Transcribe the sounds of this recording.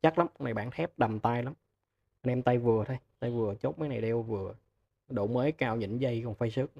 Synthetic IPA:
t͡ɕa˦˥k̚la˨˦mna˨˩jɓa̰ː˧˥nt̪ʰɛ˦˥p̚ɗa˨˩mt̪aː˧jla˨˦m | ʔə˧nʔɛ˧mt̪a˧jvɨ˨˩ət̪ʰo˧jt̪a˧jvɨ˨˩ət͡ɕo˦˥t̚maː˨˦jna˨˩jɗɛ˧wvɨ˨˩ə | ɗo̰˧˩məː˨˦jkaː˧˩wɲɨ̰˧˩nzə˧jkɔ˨˩nfa˧jsɨ˦˥ək̚

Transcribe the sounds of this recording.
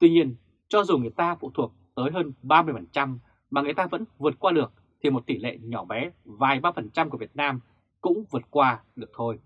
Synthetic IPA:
t̪wi˧ɲi˧ən | t͡ɕɔ˧zu˨˩ŋɨ˨˩əjt̪aː˧fṵ˧˨t̪ʰu˨˩ək̚t̪əː˨˦jɦəː˧nɓaː˧mɨ˧əjfə˨˩nt͡ɕa˧m | maː˨˩ŋɨ˨˩əjt̪aː˧və̰˧˥nvɨ˨˩ət̚kwaː˧ɗɨ˨˩ək̚ | t̪ʰi˨˩mo˨˩t̚t̪i˧˩lḛ˧˨ɲɔ˧˩ɓɛ˨˦vaː˨˩jɓaː˧fə˨˩nt͡ɕa˧mku˧˩əvi˨˩ət̚naː˧m | kʊ̰˧˥ŋ͡mvɨ˨˩ət̚kwaː˧ɗɨ˨˩ək̚t̪ʰo˧j

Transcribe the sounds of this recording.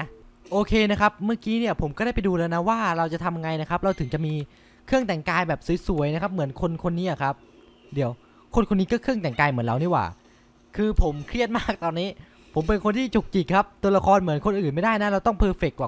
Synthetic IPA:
ʔoː˧kʰeː˧na˦˥kʰa˦˥p̚maː˥˩kiː˦˥ni˥˩ɐpʰo˩˦mkɔː˥˩ɾaː˥˩jpa˧jduː˧lɛː˧wna˦˥waː˥˩ɾa˧wt͡ɕa˨˩t̪ʰa˧mʔa˧ŋa˧jna˦˥kʰa˦˥p̚ɾa˧wt̪ʰɯ˨˩˦ŋt͡ɕa˨˩ʔmiː˧ | kʰɯ˥˩əŋt̪ɛ˨˩ŋkaː˧jbɛː˨˩p̚su˨˩˦jsu˨˩˦əjna˦˥kʰa˦˥p̚mɯ˩˦ənkʰo˧nkʰo˧nːiː˦˥ʔa˨˩kʰa˦˥p̚ | di˨˩˦əw | kʰo˧nkʰo˧nːiː˦˥kɔː˥˩kʰɯ˥˩əŋt̪ɛ˨˩ŋkaː˧jmɯ˨˩˦ənɾa˧wniː˦˥˩wa̰ː˨˩ | kʰɯː˧pʰo˩˦mkʰɾi˥˩ət̪̚maː˥˩k̚t̪ɔː˧nːiː˦˥ | pʰo˩˦mpe˧nkʰo˧nt̪ʰiː˥˩t͡ɕu˨˩k̚t͡ɕi˨˩kʰːa˦˥p̚t̪u˧ɐla˧kʰɔː˧nmɯ˩˦ənkʰo˧nʔɯː˨˩nma˥˩jda˥˩jna˦˥ɾa˧wt̪ɔ˥˩ŋpʰɤː˧fe˨˩kːwaː˨˩

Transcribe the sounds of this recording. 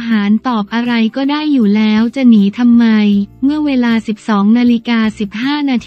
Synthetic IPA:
ɦaː˩˦nt̪ɔː˨˩p̚ʔa˧ɾa˧jkɔː˥˩daː˥˩jːuː˨˩lɛː˦˥wt͡ɕa˨˩niː˩˦t̪ʰa˧mːa˧jmɯ˥˩ɐweː˧laː˧si˨˩p̚sɔː˩˦ŋnaː˧li˦˧kaː˧si˨˩p̚haː˥˩naː˧t̪ʰ

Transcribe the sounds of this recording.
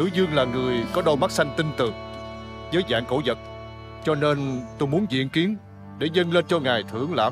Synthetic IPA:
ɨ̰˧˥zɨ˧əŋlaː˨˩ŋɨ˨˩əjkɔ˨˦ɗə˧wma˦˥t̚sa˧jŋ̟t̪i˧ŋt̪ɨ˨˩ŋ | zəː˨˦jza̰ː˧˨ŋko̰˧˩zə˨˩t̚ | t͡ɕɔ˧ne˧nt̪o˧jmu˨˦ənzḭ˧˨ənki˨˦ən | ɗe˧˩zə˧ŋle˧nt͡ɕɔ˧ŋaː˨˩jt̪ʰɨ˧˩əŋla̰ː˧˩˨

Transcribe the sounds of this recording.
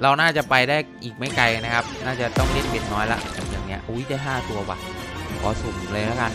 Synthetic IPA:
ɾa˧wnaː˥˩t͡ɕa˨˩pa˧jdaː˥˩jʔiː˨˩k̚ma˥˩jka˧ja˧na˦˥kʰa˦˥p̚naː˥˩t͡ɕa˨˩t̪ɔ˥˩ŋle˥˩nbe˨˩tnɔː˦˥jlɛ̰˦˥bɛ̰ː˨˩p̚jaː˨˩ŋni˦˥ɐʔa˧wu˦˥jdaː˥˩jɦaː˥˩t̪u˧ɐwa̰˨˩t̚kʰɔ̰ː˨˩˦su˨˩˦ŋː˨˩lɤː˧jla˦˥ka˧n

